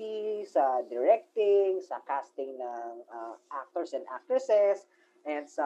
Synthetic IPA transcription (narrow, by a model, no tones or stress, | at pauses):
isɐd̪ɪɹɛk̚t̪ɪŋsɐ̰kast̪ɪŋnɐŋaʔak̚t̪ɔɹsɛ̃nd̪ʔa̰k̚t̪ɔɹsɛs | ʔɛ̃nd̪sɐ